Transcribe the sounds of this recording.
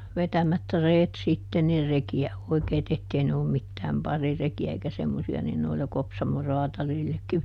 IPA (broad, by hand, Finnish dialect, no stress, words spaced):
ʋetæmæt reːt sitːe nir rekiæ oikei̯t etːei ne olːum mitːæːm pɑrirekiæ eikæ semːosiɑ nin noilɑ kopsɑmo rɔɑtɑlilːekːiʋ